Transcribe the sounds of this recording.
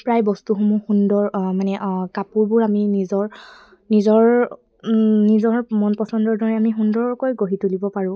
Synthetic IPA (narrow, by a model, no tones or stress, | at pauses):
pɹajbɔstuxomuxundɔɹmanɛʔkapuɹbʊɹaminizɔɹ | nizɔɹ | nizɔɹmɔnpɔsɔndɔɹdɔɹɛamiɦundɔɹkojɡoɦitulibɔpaɹʊ̃